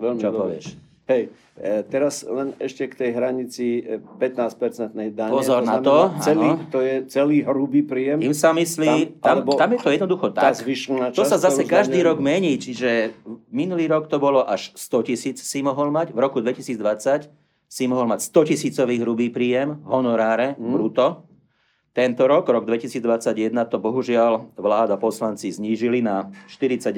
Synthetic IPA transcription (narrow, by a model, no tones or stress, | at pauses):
ʋɛlmit͡ʃɔpɔʋɪɛ̰ʃ | ɦɛj | t̪ɛɾaslɛnɛʃcɛkt̪ɛjɦɾaɲit͡sipɛt̪naːsc̚pɛɾt͡sɛnt̪̚nɛjd̪aɲpɔɛzɔɾnat̪ɔaɛnlitt̪ɔjɛt͡sɛliːɦɾubiːpɾiːjɛmimsamisliːt̪amɛt̪amjɛt̪ɔjɛd̪nɔd̪uxɔt̪akzʋiʃilnat͡ʃt̪ɔsazasɛkaʒd̪iːɾɔɡmɛɲiːt͡ʃiʒɛminuliːɾɔkt̪ɔbɔlɔʔaʃst̪ɔcisiːt͡ssimɔɦɔlmaɟʋɾɔkud̪ʋɛcisiːd͡zd̪ʋat͡sac | simɔɦɔlmacst̪ɔcisiːt͡sɔʋiːɦɾubiːpɾiːjɛmɦɔnɔɾaːɾɛbɾut̪ɔ | t̪ɛnt̪ɔɾɔɡɾɔɡd̪ʋɛcisiːd͡zd̪ʋat͡saɟjɛd̪nat̪ɔbɔɦuʒɪalʋlaːd̪apɔslant͡sizɲiːʒilinaʃt̪iɾit͡saɟ